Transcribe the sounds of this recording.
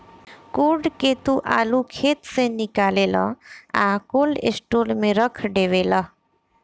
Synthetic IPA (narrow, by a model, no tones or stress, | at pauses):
kuɖket̪uʔa̰lukʰet̪senikalela̰akolḭsʈulmeɾəkʰɖeʋela